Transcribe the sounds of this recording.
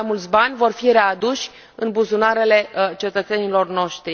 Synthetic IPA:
amult̪sʲbanʲvo̞rfiɾe̞ad̪uʃʲ | ɨnbuzunaɾe̞le̞t͡ʃe̞t̪ət̪se̞nilo̞rno̞ʃt̪ɾi

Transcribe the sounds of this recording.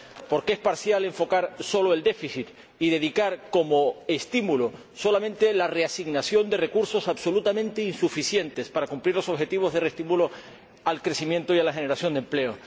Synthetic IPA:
po̞ɾkeespaɾsjale̞ɱfo̞kaɾso̞loe̞ld̪e̞fiθit̪ | iðe̞ðikaɾko̞mo̞e̞st̪imulo | so̞lamẽ̞nt̪e̞lare̞asiɣnasjond̪e̞re̞kuɾso̞saβso̞lut̪amẽ̞nt̪einsufisje̞nt̪e̞spaɾakumpliɾlo̞soxe̞t̪iβ̞o̞zðe̞rest̪imulo | alkɾe̞simjẽ̞nt̪oialaxe̞ne̞ɾasjo̞nd̪emple̞o

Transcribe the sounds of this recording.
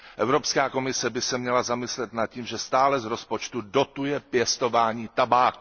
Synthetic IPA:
ʔɛvɾo̞pskaːko̞mɪsɛbɪsɛmɲɛlazamɪslɛt̪nat̪̚ciːmʒɛst̪aːlɛzɾo̞spo̞t͡ʃt̪udo̞t̪ujɛpjɛst̪o̞vaːɲiːt̪abaːk

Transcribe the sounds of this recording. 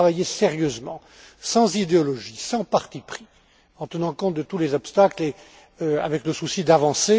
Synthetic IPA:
avajeseʁjøzmɑ̃ | sɑ̃zid̪eɔlɔʒisɑ̃paʁt̪ipχi | ɑ̃t̪ənɑ̃kɔ̃t̪̚d̪ət̪ulezɔpst̪akle | øa̰vɛkləsusid̪avɑ̃se

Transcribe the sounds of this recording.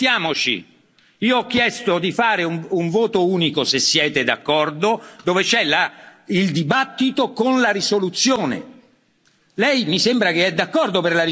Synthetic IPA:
t̪jaːmot͡ʃḭ | iːoɔk̟ːjɛst̪od̪ifaːɾeuuɱvoːt̪ouːnikosesːjɛːt̪ed̪a̰kːɔrd̪od̪ovet͡ʃɛlaild̪ibat̪ːit̪okonlaɾisolut̪sːjoːnḛ | lɛjmisembɾakeɛd̪ːakːɔrd̪operlaɾi

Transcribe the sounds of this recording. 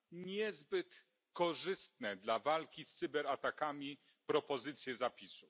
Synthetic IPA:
ɲɛzbɘt̪ | kɔʐɘst̪nɛd̪lavalkʲist̪sɨbɛɾat̪akamʲi | pɾɔpɔzɘt̪sʲjɛzapʲisu

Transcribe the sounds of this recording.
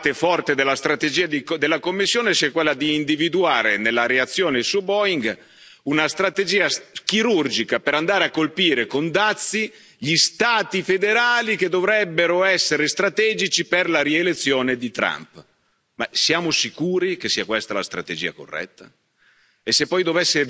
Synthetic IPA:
t̪efɔrt̪ed̪elːast̪ɾat̪ed͡ʒiːad̪id̪elːakomːisːjoːnesiakwelːad̪iːnd̪ivid̪uaːɾenelːaɾeat̪sːjoːnedlsubɔiŋɡ | unast̪ɾat̪ed͡ʒiːak̟iɾurd͡ʒikapeɾand̪aːɾeakːolpiːɾekond̪at̪sːi | ʎist̪aːt̪ifed̪eɾaːlik̟ed̪ovɾɛbːeɾoɛsːeɾest̪ɾat̪ɛːd͡ʒit͡ʃiperlaɾielet̪sːjoːned̪it̪ɾa̰mp | masjaːmosikuːɾikesːiːakwest̪ala̰st̪ɾa̰t̪ed͡ʒiːa̰ko̰rːɛ̰t̪ːa | esːepːɔjd̪ovɛsːe

